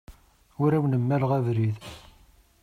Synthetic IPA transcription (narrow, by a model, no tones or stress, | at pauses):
ʊɾæwnəmːæləʁæðɾið